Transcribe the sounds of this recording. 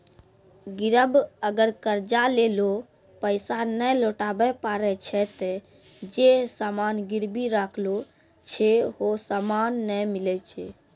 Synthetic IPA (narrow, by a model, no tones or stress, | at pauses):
ɡiɾəbəɡəɾkəɾd͡ʒalelo | pəɪsanəloʈabɛpaɾɛt͡ʃʰɛt̪ | d͡ʒesamanɡiɾbiɾakʰlo | t͡ʃʰɛɦosamanːəmilɛt͡ʃʰɛ